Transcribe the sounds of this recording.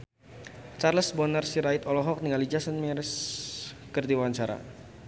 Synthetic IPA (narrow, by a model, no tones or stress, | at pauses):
t͡ʃarləsbɔnərsiɾaɪt̪ɔlɔɦɔk̚niŋalid͡ʒasənmiɾɛs | kərd̪iwaɲt͡ʃaɾa̰